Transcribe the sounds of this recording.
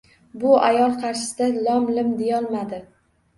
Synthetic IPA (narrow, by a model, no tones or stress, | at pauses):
bʊajɒlˠqʰɑɾʃɪ̥sɪd̪alɒmlɪmd̪ejɒlˠmad̪ɪ